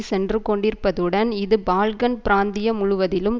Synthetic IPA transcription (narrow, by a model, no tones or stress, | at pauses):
sɛndrɯkɔɳɖɪɾpːɐðɯɽɐnɪðɯbaːlɣɐnpɪɾaːnd̪ɪjɐmʊɻʊʋɐðɪlɯm